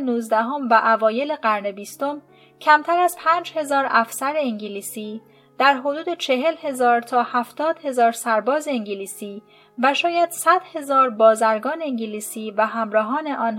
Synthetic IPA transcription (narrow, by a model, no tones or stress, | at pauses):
nuːzd̪æɦo̞mvæʔævɒːje̞leɢæɾne̞biːst̪o̞m | cʰæmt̪ʰæɾæzpʰæːnd͡ʒhe̞zɒːɾæfsæɾeiŋɟiliːsiː | d̪̥æɾɦo̞d̪uːd̪e̞t͡ʃʰe̞ɦe̞lhe̞zɒːɾt̪ʰɒːhæft̪ʰɒːd̪̥he̞zɒːɾsæɾbɒːzeiɲɟiliːsiː | væʃɒːjæd̪̥sæd̪̥he̞zɒːɾbɒːzæɾɡɒːneeŋɟiliːsiːvæɦæmɾɒːɦɒːne̞ʔɒːn